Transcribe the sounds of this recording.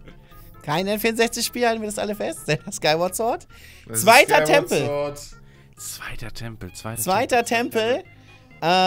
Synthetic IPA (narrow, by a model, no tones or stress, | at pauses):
kʰaɪnɛnfiɐnzɛçt͡sɪçʃpiːlaltn̩viːɐasʔaləfɛstz̥aaskaɪwɔt͡sɔɐt | t͡sv̥aɪtɐtʰɛmpl̩ | t͡sv̥aɪtɐtʰɛmpl̩t͡sv̥aɪt͡sv̥aɪtɐtʰɛmpl̩ | ʔɛː